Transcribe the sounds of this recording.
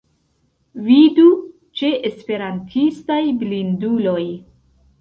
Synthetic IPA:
vidu | t͡ʃe̞ʔespe̞ɾantʰistajblindulo̞j

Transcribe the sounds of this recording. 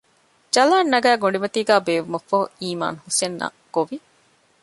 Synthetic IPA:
d͡ʒɐlaːnːɐɡæːɡoɳɖimɐt̪iːɡæːbeːʋumɐfɐɦṵiːma̰ːnhusenːɐ̰ | ɡ̥oʋi

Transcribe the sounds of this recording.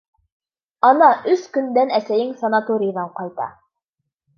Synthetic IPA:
ɑnɑʔɵskɵ̆nd̪ænæsæjɘŋsɐnat̪oɾʲɪjəðɑɴqɑjt̪ɑ̰

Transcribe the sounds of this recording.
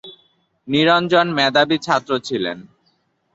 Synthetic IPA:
niɾond͡ʑonmɛd̪abit͡ɕʰat̪ːɾot͡ɕʰilḛn

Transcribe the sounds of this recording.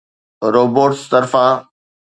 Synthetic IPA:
ɾoːboːʈst̪ɐɾfã

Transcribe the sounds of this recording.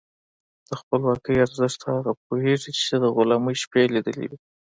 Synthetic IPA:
d̪̥əxpəlwɑkəjaɾzəʂt̪aɣap̚oheʐit͡ʃed̪əɣʊlɑməjʃpelid̪ə̰lḭwi

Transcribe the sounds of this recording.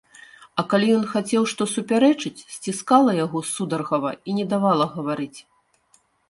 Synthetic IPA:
ɐkalʲijɔnxat͡sʲɛwʂt̪ɔsupʲaɾɛt͡ʂɨt͡sʲsʲt͡sʲiskalˠɐjaɣɔsud̪ɐrɣɐvɐ̰inʲɛd̪avalˠɐɣɐvaɾɨt͡sʲ

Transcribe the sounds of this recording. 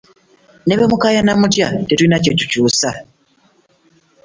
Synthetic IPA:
ne̞βe̞mukajanamutjatetuinace̞cu̥cuːsa

